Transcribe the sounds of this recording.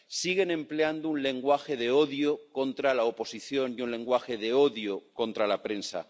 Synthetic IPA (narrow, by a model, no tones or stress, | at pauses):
siɣ̞e̞nẽ̞mple̞and̪ounle̞ŋɡwaxe̞ðe̞o̞ðjoko̞nt̪ɾalaopo̞siθjo̞njunlẽ̞ŋɡwaxe̞ðe̞o̞ðjoko̞nt̪ɾalapɾe̞nsa̰